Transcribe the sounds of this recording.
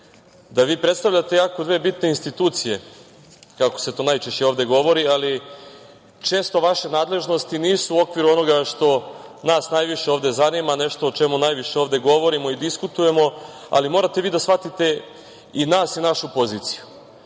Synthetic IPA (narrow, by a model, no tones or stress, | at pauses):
d̪aʋiːpɾe̞t̪st̪aʋʎʲat̪e̞jaːkod̪ʋe̞ːbit̪ne̞inst̪it̪uːt̪sije̞ | kakose̞t̪o̞ːnajt͡ʃeʃt͡ɕe̞o̞ːʋd̪e̞ɡo̞ʋo̞ɾiali | t͡ʃe̞ːst̪o̞ʋaʃe̞naːd̪le̞ʒno̞st̪iniːsuːo̞kʋiɾuo̞no̞ɡaʃt̪o̞ | naːsnajʋiʃe̞o̞ːʋd̪e̞zanimane̞ʃt̪o̞ot͡ʃe̞munajʋiʃeoːʋd̪e̞ɡo̞ʋo̞ɾimo̞id̪iskut̪uje̞mo̞ | a̰limo̞ːɾat̪e̞ʋiːd̪asfat̪it̪e̞ | inaːsinaʃupo̞ziːt̪si̥ju